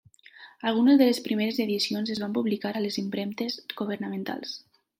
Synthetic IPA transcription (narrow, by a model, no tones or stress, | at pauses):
alˠɣunezðelespɾimeɾezeðisionzezβampuβlikaɾalezimpɾɛmt̪esɣuβ̞əɾnamẽnt̪a̰lˠs